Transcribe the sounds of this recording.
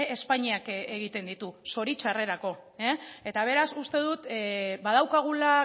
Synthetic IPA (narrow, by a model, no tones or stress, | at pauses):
espaɲiakeɣ̞it̪e̞nd̪it̪uso̞ɾit͡ʃare̞ɾako̞ | ee̞t̪aβ̞e̞ɾasust̪e̞ð̞ut̪bað̞awkaɣ̞ula